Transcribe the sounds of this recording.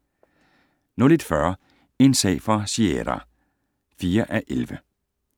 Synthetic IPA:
nɔled̥fɶɐ | e̝nsɛ̰ɪfɑ̈siḛɾɐ̰ | fiːɐʔæʔelʋə

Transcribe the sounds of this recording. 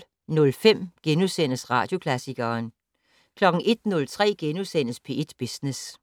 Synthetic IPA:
nɔ̽lfem̰ɡ̥enusen̰əsʁɑ̈ːd̥jo̝kʰlæsiɡ̥ɐːn | kʰlɒ̽ɡ̥ŋ̩ʔe̝d̥nɔ̽lt͡sʰʁɛ̰ːɡ̥enusen̰əspʰe̝e̝d̥b̥isnes

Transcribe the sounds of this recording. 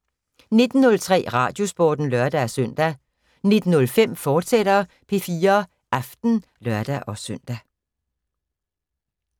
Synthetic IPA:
ne̝d̥n̩ːɔ̽lt͡sʰʁɛ̰ːʁɑ̈ːd̥jo̝sb̥ɔːd̥n̩lɶɐd̥ææsœn̰d̥æ | ne̝d̥n̩ːɔ̽lfem̰fɒːd̥sed̥ɐ | pʰe̝fiːɐ | ʔɑfd̥n̩ | lɶɐd̥æʔɒ̽sœn̰d̥æ

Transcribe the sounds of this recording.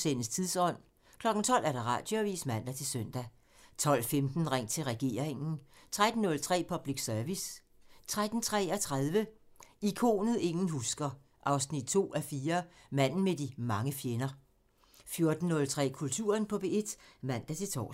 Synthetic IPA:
sen̩st͡sʰiðˠsɒ̽n̰ | kʰlɒ̽ɡ̥n̩t͡sʰɒ̽l̰æɐɾ̥ɑ̈ʁɑ̰̈ːd̥joæʋḭːsmæn̰d̥æt͡sʰe̝lsøn̰d̥æ | t͡sʰɒ̽l̰femd̥n̩ʁaŋ̰t͡sʰe̝lʁɛɡ̥e̝̰ːɐ̰eŋn̩t͡sʰʁad̥n̩ːɔ̽lt͡sʰʁɛ̰ːpʰɒ̽b̥liɡ̥sœɐʋis | t͡sʰʁad̥n̩t͡sʰʁɛ̰ːɒt͡sʰʁaðˠʋəikʰo̝̰ːnəð̩ˠe̝ŋn̩ɦusɡ̥ɐ | ʔɑ̈ʊsnid̥̚t͡sʰo̝̰ːæfiːɐmæn̰n̩med̥imɑ̈ŋəfjenɐ | fjo̝ɐd̥n̩ːɔ̽lt͡sʰʁɛ̰ːkʰult͡sʰṵːɐnpʰɒ̽b̥ee̝d̥mæn̰d̥æt͡sʰe̝t͡sʰɒ̰

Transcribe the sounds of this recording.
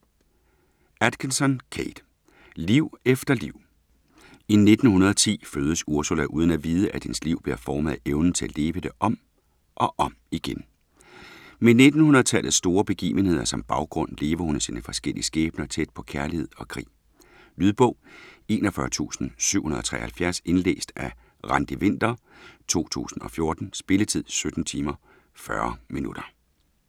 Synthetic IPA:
æd̥kʰensɒ̽nkʰed̥ | liʊ̰efd̥ɐliʊ̰ | ine̝d̥n̩hunɐðˠɒt͡sʰḭːføːð̞ˠəsuɐsulæʔuːð̞ˠən̩æʋiːð̞ˠəʔæd̥hensliʊ̰b̥liɐfɒːmð̩ˠeʊnn̩t͡sʰe̝æle̝ːʋəd̥e̝ʔɒ̽m̰ | ʔɒ̽ʔɒ̽m | iɡ̥en | mene̝d̥n̩hunɐð̩ˠt͡sʰæl̰ð̩ˠsːd̥o̝ːɐb̥e̝ɡ̥ḭːʋənhe̝ð̰ˠɐsɒ̽mb̥ɑ̈ʊɡ̥ʁɔ̽n̰le̝ːʋɐhunsiːnəfɒ̽sɡ̥el̰iəsɡ̥ɛːb̥nɐt͡sʰed̥̚pʰɒ̽kʰæɐlihe̝ð̰ˠɒ̽kʰʁḭː | lyðˠb̥ɔ̽ʊ̰e̝̰ːnɒfɶɐt͡sʰṵːsn̩syʊ̰hunɐðˠɒ̽t͡sʰʁɛ̰ɪɐhælfjæɐse̝nlḛːsd̥ʔæ | ʁɑ̈nd̥iʋe̝n̰d̥ɐ | t͡sʰo̝̰ːt͡sʰṵːsn̩ɒ̽fjo̝ɐd̥n̩sb̥e̝lət͡sʰið̞̰ˠsød̥n̩t͡sʰiːmɐ | fɶɐminud̥ɐ

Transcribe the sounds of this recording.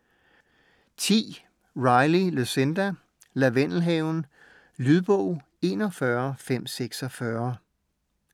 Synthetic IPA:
t͡sʰḭː | ʁɑ̈ɪliløsend̥æ | læʋenl̩ɦeʊn̩ | lyðˠb̥ɔʊ̰ | e̝̰ːnɒfɶɐfem̰seɡ̥sɒfɶɐ

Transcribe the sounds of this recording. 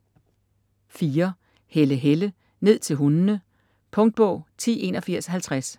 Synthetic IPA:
fiːɐ | heləɦelə | ne̝ð̞̰ˠt͡sʰe̝lɦunnə | pʰɔ̽ŋd̥̚b̥ɔ̽ʊ̰t͡sʰḭːe̝nɒ̽fiɐ̰shælt͡sʰʁas

